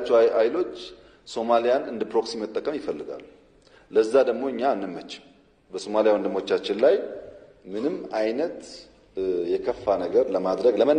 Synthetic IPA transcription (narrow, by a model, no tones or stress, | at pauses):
t͡ʃːɛajlo̞t͡ʃː | so̞malijanɨnd̪ɨpɾo̞ksimːət̪ʼːəkʼəmjɪfəlːɨɡa̰lːu | ləzːad̪əɡmo̞ɨɲːanːɨmːət͡ʃːɪ̥m | bəso̞malijawənd̪ɨmo̞t͡ʃːat͡ʃːɪnlaj | mɨnɨmːajnət̪ | jɛkʰəfːanəɡəɾləmad̪ɾəɡləmə